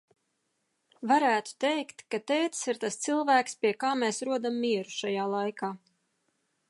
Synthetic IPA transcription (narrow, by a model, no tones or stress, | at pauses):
vaɾæːt̪u̥t̪ɛjkt̪kat̪eːt̪siɾt̪ast̪silˠvæːkspiɛkaːmeːsɾuɔd̪amːiɛɾuʃajaːlˠajkaː